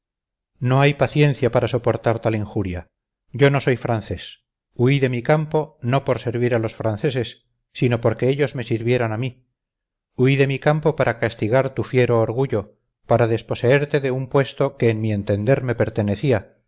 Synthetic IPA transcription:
no̞ajpaθje̞nθjapaɾaso̞po̞ɾt̪aɾt̪alĩŋxuɾja | ɟ͡ʝo̞no̞so̞jfɾan̟θe̞s | uiðe̞mikampo̞no̞po̞ɾse̞ɾβ̞iɾalo̞sfɾanθe̞se̞sː | ino̞po̞ɾke̞eʎo̞zme̞siɾβje̞ɾanami | uiðe̞mikampo̞paɾʔakast̪iɣaɾt̪ufje̞ɾo̞ːɾɣuʎo̞ | paɾaðe̞spo̞se̞e̞ɾt̪e̞ðe̞umpwe̞st̪o̞ke̞ːnmie̞nt̪e̞nd̪e̞ɾme̞pe̞ɾt̪ene̞θia

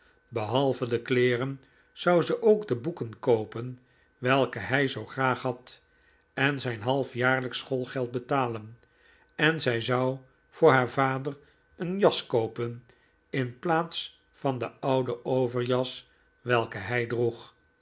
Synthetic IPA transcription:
bəɦɑlˠvədəklɪːrən | z̥ɑwzəʔowɡdəbukənkowpən | ʋɛlˠkəɦɛjzowχraːχɦɑt | ɛnzɛjnɦɑlˠfjaːɹləksχolˠχɛlˠt̚bətaːlən | ɛnzɛjzɑw | v̥ʊːɹɦaːɹvaːdər | ənjɑskowpən | ɪnplaːts | fɑndəɑwdəowvəɹjɑs | ʋɛlˠkəɦɛjdruχ

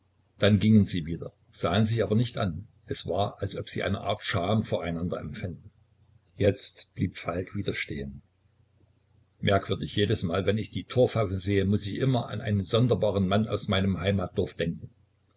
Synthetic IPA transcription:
d̥anɡɪŋənziːviːdɐ̰ | z̥aːənzɪçʔaːbɐnɪçtʔa̰n | ʔɛsv̥aːɐʔalsʔɔpz̥iːʔa̰ɪnə̰ʔa̰ːɐtʃaːmfoːɐaɪnandɐ̰ɛ̰mfɪndn̩ | jɛt͡stb̥liːpfalkv̥iːdɐʃtḛːən | mʔɛɐkv̥ʏɐdɪçjeːdəsmaːlvɛnɪçd̥iːtʰoːɐfaʊfn̩zeːəmʊsɪçʔɪmɐʔa̰nʔa̰ɪnənzɔndɐbaːʁənmana̰ʊsmaɪnəmɦaɪmaːt̚d̥ɔɐfd̥ɛŋkŋ̩

